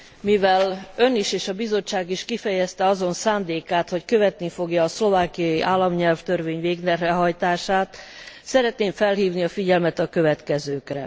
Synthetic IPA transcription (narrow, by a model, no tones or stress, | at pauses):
mivɛlø̞niʃeːʃɒbizo̞t͡ʃːaːɡiʃkifɛjɛst̪ɛɒzo̞nsaːnd̪eːkaːt̪ho̞ckø̞vɛt̪nifo̞ɡjɒːslo̞vaːkijɒjiʔaːlːɒmɲɛlft̪ø̞rveːɲveːɡnɛrrɛɦɒjt̪aːʃaːt̪sɛɾɛt̪neːɱfɛlɦiːvniɒfiɟɛlmɛt̪ɒkø̞vɛt̪kɛzøːkrɛ̰